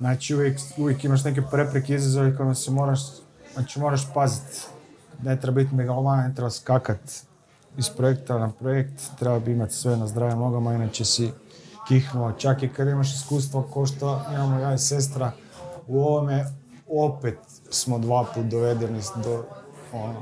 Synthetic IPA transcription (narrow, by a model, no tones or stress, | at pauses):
naːt͡ʃiuʋjekuʋjekimaʃ̬ne̞k̬epɾe̞pɾekeizazoʋeko̞imasemo̞ɾaʃ | naːt͡ʃimo̞ɾaʃ̬pazit̪ | ne̞t̪ɾebabit̪meɡalomanane̞t̪ɾebaskakat̪ | ispɾojekt̪anapɾojekt̪ːɾebabiimat̪sʋe̞nazd̪ɾaːʋjamno̞ɡamainaːt͡ʃesi | kixnuat͡ʃakikad̪aimaʃ̬iskuːst̪ʋakoʃt̪oimamojaise̞s̬t̪ɾa | uoʋome | opet̪ | smod̪ʋaːpuːt̪̚d̪oʋe̞d̪enid̪oono